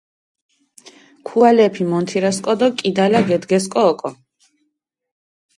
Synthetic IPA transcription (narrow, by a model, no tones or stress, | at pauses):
kʰualɛpʰimɔnt̪ʰiɾaskʼɔd̪ɔkʼid̪alaɡɛd̪ɡɛs̬kʼɔːkʼɔ